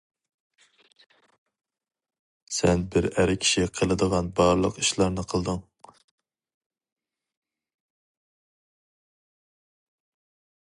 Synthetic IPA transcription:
sɛnbɪɾæɾɪkʲʰi̥ʃiqʰəlˠɨd̪əʁɑnbɑɾlˠəqi̥ʃlˠɑɾnɨqʰəlˠd̪ɨŋ

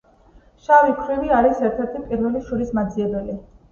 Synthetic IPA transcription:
ʃavikʰɾiviaɾisɛɾt̪ʰɛɾt̪ʰipʼiɾvɛliʃuɾismad̪ziɛbɛli

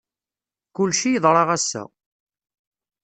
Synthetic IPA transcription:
kʊlʃijəðˤɾˤɑʁæsːæ̰

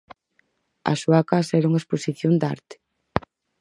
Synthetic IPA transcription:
a̰ʃuakasɛɾauŋaesposiθjond̪a̰ɾt̪ɪ̥

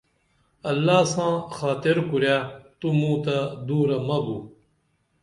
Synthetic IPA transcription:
ɐlːaːsãːxaːt̪iɾkuɾjaːt̪umũːt̪ad̪uːɾɐmɐbuː

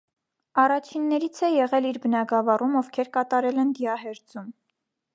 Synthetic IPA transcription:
ɑrɑt͡ʃʰinːɛɾit͡sʰɛjɛʁɛliɾbənɑɡɑvɑrumɔvkʰɛɾkɑt̪ɑɾɛlɛnd̪iɑɦɛɾd͡zum

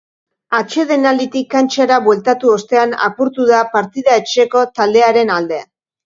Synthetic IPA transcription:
at͡ʃe̞ðe̞nald̪it̪ikːant͡ʃaɾaβwe̞lt̪at̪uo̞st̪e̞ana̰puɾt̪uðapaɾt̪iðae̞t͡ʃe̞ko̞t̪ald̪e̞aɾe̞nald̪e̞

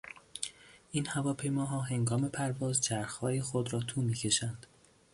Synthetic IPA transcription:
ʔiːnhævɒːpʰe̞jmɒːɦɒːɦe̞ŋɡɒːme̞pʰæɾvɒːzt͡ʃʰæɾxhɒːjexod̪ɾɒːt̪ʰuːmiːcʰe̞ʃænd̪̥

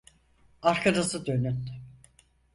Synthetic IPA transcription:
aɾkʰad̪asɯd̪ø̞nyn

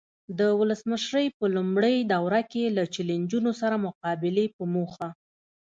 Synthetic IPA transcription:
d̪əwʊləsməʃɾəjpəlumɽəjd̪awɾakelat͡ʃɪland͡ʒunosaɾamʊqɑbɪlepəmoxa

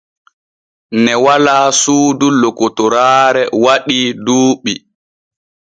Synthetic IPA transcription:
nɛwalaːsuːdulːokɔtɔɾaːɾɛwaɗiduːɓi

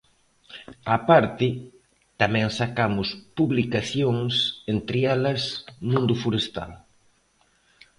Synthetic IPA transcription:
apaɾt̪ɪ | t̪amɛ̃ŋsakamʊspuβlikaθjoŋsent̪ɾɪɛlɐsmũnd̪ʊfuɾest̪a̰l

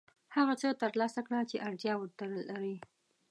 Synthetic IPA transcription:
haɣat͡sət̪əɾlɑsakɽat͡ʃeʔaɾzjɑwəɾt̪əɾəlaɾi

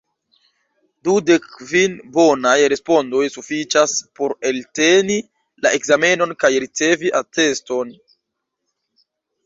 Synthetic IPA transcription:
dude̞kvinbo̞najɾe̞spo̞ndo̞jsufit͡ʃaspo̞ɾe̞lte̞ni | laʔe̞kzame̞no̞nkajɾit͡se̞viʔate̞sto̞n

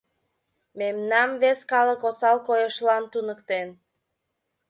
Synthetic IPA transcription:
memnɑmβeskɑləkosɑlkojəʃlɑnt̪unəkt̪en

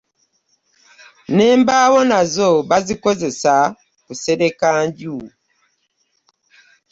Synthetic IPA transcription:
nembawɔnazɔbazikozesa | kusedekanɟu

